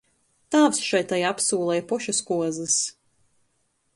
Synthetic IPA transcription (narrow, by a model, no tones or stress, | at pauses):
t̪aːwsʃɛjt̪ajapsuːlˠɛjpɔʃuskuɔzɨs